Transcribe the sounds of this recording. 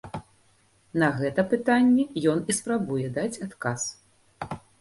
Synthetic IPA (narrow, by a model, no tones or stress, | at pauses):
nɐɣɛt̪ɐpɨt̪anʲːɛjɔnispɾabujɛd̪at͡sʲat̪kas